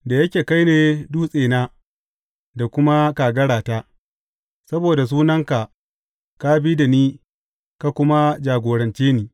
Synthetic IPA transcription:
da˨jɐ˦kʲeː˨ka˦jneː˨du˦sʼeː˨naː˦ | da˨kʷʊ˦ma˦kaː˨ɡɐ˦ɽaː˨taː˦ | sɐ˦boː˨da˨s̬uː˦nɐ˦ŋka˨ʔ | ka˦bi˦da˨niː˦ | ka˨kʷʊ˦ma˦d͡ʒaː˨ɡʷoː˨ɾɐ˨nt͡ʃeː˦niː˦

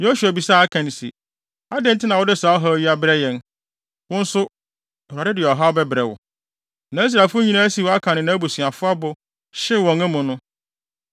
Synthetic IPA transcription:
jo˦su˨æ˨bi˨saː˦˨a˦kʰã˨ñ˨sḭ˨ | a˦dɪ̃˦n̩˦tʰɪ˦nã˨wʊ˦dɪ˦saː˨˦ɔ˦ɦa˦ɥi˦a˦bɪ˦ɾɛ˦jɛ̃˦n | wʊ̃˦n̩˦sʊ˦˨ | a˨ɪ˦dɪ˨ɔ˨ɦa˦ɔ˦bɛ˦bɾɛ˨wʊ̰˨ | nã˨i˦s̬ɾa˨fʊ˦ɲĩ˦nã˦æ˦si˨˦˨wa˦kʰã˨nɪ̃˨nã˨˦æ˦bo˨sĩ˨a˨fʊ˦a˦bʊ˨ | ɕɪ˦˨wɔ̃˨ŋæ̃˦mʊ̃˨nʊ̃˦

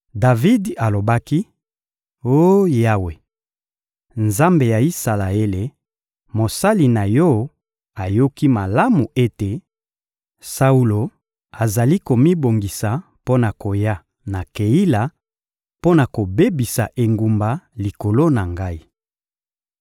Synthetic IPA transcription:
da˨vi˦da˨lo˨ba˦ki˦ | o˦ja˦we˨ | nza˦mbe˨ja˨i˦sa˨la˨e˦le˨ | mo˨sa˦li˨na˨jɔ˦ | a˨jo˦ki˦ma˨la˦mu˨ʔe˦te˨ | sa˦u˦lo˨ | a˨za˨li˦ko˨mi˦bo˨ŋɡi˨sa˨ | po˦na˨ko˨ja˦ | na˨ke˨i˦la˨ | po˦na˨ko˨be˦bi˨sa˨ʔe˨ŋɡu˨mba˨li˨ko˨lo˦na˨ŋɡa˦i˦

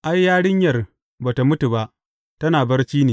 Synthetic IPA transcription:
ʔa˦jːaː˦ɽɪ˦ɲjɐ˨r | baː˨ta˨mʊ˦tu˨ba˦ʔ | tɐ˦naː˨bɐ˦rt͡ʃiː˦neː˨

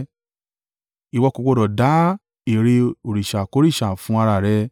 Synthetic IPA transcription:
i˨wɔ˧ko˧ko˧ɾɔ˨da˨˦ | i˨ɾe˧o˨ɾi˨ʃa˨ko˨˦ɾi˦˨ʃa˨fũ˨˦a˧ɾa˧˨ɾɛ˧˦

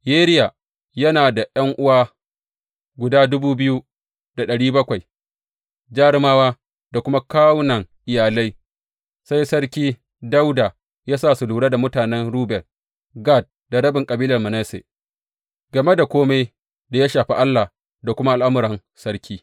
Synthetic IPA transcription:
jeː˦ɾɪ˦ja˨ | jɐ˦naː˨da˨ʔjɐ˦ŋʔʊ˦waː˦ | ɡʷʊ˨daː˦dʊ˦buː˦bɪ˦ju˦ | d̥a˨ɗɐ˨ɽiː˦bɐ˦kʷa˨j | d͡ʒaː˦ɽɪ˦maː˦waː˦ | da˨kʷʊ˦ma˦ka˦wnɐ˨ŋʔɪ˨jaː˨la˦j | sa˦jsɐ˦ɽkʲiː˦ | da˦wda˨ | jaː˦saː˦˨su˨luː˨ɽa˦da˨mʊ˦taː˨nɛ˦nɽuː˦bɛ˨r | ɡa˦˨t̚ | da˨ɽɐ˦bɪ˨ŋkʼɐ˨biː˦lɐ˨rmɐ˨ne˦sḛ˨ | ɡɐ˨me˦da˨kʷoː˦ma˦j | da˨ja˦ʃaː˨ɸḭ˦ʔa˦lːaː˨ | da˨kʷʊ˦ma˦ʔa˨lʔa˦mʊ˨ɾɐ˨n | sɐ˦ɽkʲiː˦

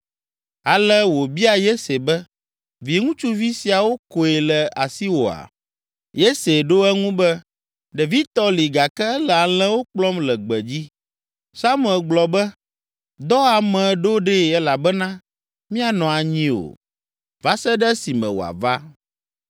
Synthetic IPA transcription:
a˨lɛ˦wo˨bi˦a˨je˦se˨bɛ˦ | vi˨e˨ŋũ˦t͡ʃu˦vi˦si˨a˨wo˦ko˨ɛ˨lɛ˨a˨si˦wo˨a̰˨ | je˦se˨ɖo˦ɛ˦ŋũ˦bɛ˦ | ɖe˨vi˦t̪ɔ˦li˨ɡa˨kɛ˦ɛ˦lɛ˨a˨lɛ̃˦wo˦k͡plɔ˦mlɛ˨ɡ͡bɛ˨d͡ʑi˦ | sa˦mu˦˨ɛ˨lɡ͡blɔ˨bɛ˦ | d̪ɔ˦a˨mɛ̃˨ɖo˦ɖe˦ɛ˦la˨bɛ˦nã˦ | mĩ˦a˨nɔ̃˨a˨ɲĩ˦o̰˨ | va˦sɛ˦ɖɛ˦si˨mɛ̰̃˨wo̰˨a̰˨va˦

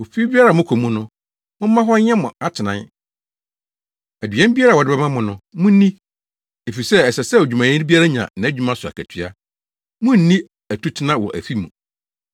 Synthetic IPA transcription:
o˨fi˦bi˦a˦ɾa˨mʊ̃˦kʰo˨mũ˦nʊ̃˦ | mʊ̃˦m̩˦mã˦ɦɔ˦ɛ̃˦mʊ̃˨a˨tʰɪ˨nã˨˦n | æ˨dɥɛ̃˦m˦bi˦a˦ɾa˨wɔ˨dɪ˦bɛ˦mã˦mʊ̃˨nʊ̃˦mʊ̃˦nĩ˦ | e˨fi˨sɛ˦ɛ˨sɛ˨sɛ˦o˨d͡ʑᶣu˨mã˨ĩ˦bi˦a˦ɾa˦ɲã̰˨nã˨æ˦˨d͡ʑᶣu˦mã˦sʊ˨a̰˨kʰæ˨tʰɥa˦ | mʊ̃˦n̩˦nĩ˦ | æ˨tʰu˦tʰɪ˦nã˦wɔ˨ʔæ̰˨fi˦mũ˨

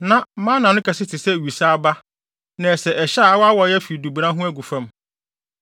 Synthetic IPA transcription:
nã˨˦mã˦nã˨nʊ̃˦kʰɛ˨sɪ˦tʰɪ˨sɛ˦˨ɥi˨sa˦ba˦ | nã˨sɛ˨ʔɛ˨ɕa˦˨a˦wɔ˦a˦wɔ˨jɛ˦fi˨du˨bi˨ɾã˦ɦʊ̃˦æ˦ɡu˨fã˦m

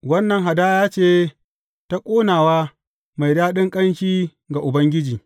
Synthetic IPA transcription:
wɐ˦nːɐ˨ŋɦa˨daː˦jaː˦t͡ʃeː˦ | ta˦kʷʼoː˦naː˨waː˦ | ma˨jdaː˦ɗɪ˦ŋkʼɐ˦nʃiː˦ | ɡa˨ʔʊ˨bɐ˦ŋɡʲɪ˦d͡ʒiː˨

